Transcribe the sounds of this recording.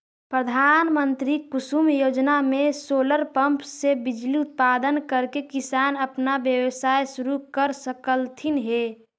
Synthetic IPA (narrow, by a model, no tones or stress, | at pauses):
pɾəd̪ʱaːnmənt̪ɾikʊsumjoːd͡ʒnamẽsoːləɾpəmpsebɪd͡ʒliʊt̪̚paːd̪ənkəɾkekɪsaːnəpnabjəʋsaːesʊɾukəɾsəkəlt̪ʰinɦeː